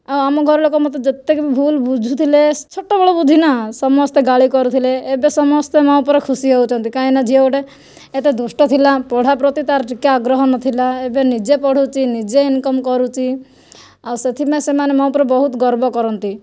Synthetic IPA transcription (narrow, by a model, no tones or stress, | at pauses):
awamɔɡʱɔɾlokɔmɔt̪ed͡ʒet̪ekbibʱulbud͡ʒʱut̪ʰilet͡ʃʰɔʈːɔbɔɭɔbud̪ʱinasɔmɔst̪eɡaɭikɔɾut̪ʰileːbesɔmɔst̪emɔ̃ũpɔɾekʰusiɦowt͡ʃʰɔnt̪ikaĩnad͡ʒʱiewʈe | et̪ed̪usʈɔt̪ʰilapɔɽ̤apɾɔt̪it̪aɾʈikaːɡɾɔɦɔnɔt̪ʰilaebenid͡ʒepɔɽ̤ut͡ʃʰinid͡ʒeinkɔmkɔɾut͡ʃʰi | awset̪ʰimesemanemɔw̃pɔɾebɔɦut̪ɡɔɾbɔkɔɾɔnt̪i